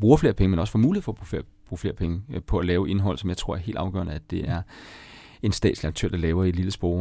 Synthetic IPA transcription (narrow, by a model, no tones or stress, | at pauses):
b̥ʁuːɐfle̝ɐpʰeŋəmenɒ̽sə̥fɒmuːliḛfɒːb̥uf | b̥ʁuːfle̝ːɐpʰeŋəpʰɒ̽ælɛːʊʔe̝nɦɒ̽l̰sɒ̽mjɑ̈ɪt͡sʰʁo̝ɐ̰ɐe̝̰ldɑ̈ʊɡ̥œ̰ɐnəæd̥e̝ʔæɐ | e̝nsd̥ɛ̰ːdsliɑ̈ɡ̥̚t͡sʰø̰ɐ̰d̥ɑ̈lɛːʊɐe̝d̥liləsb̥ʁɔʊ